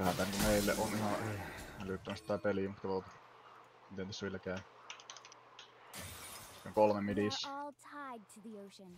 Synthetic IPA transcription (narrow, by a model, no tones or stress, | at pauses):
hænt̪æniŋkumeˑilːeʔonihɑeælyt̪ːømæst̪it̪æpelimut̪kɑot̪ | it̪ːent̪æsːæʋilːækæˑː | oŋkolmemidisːltʰaɪd̚tʰəðioʊ̃n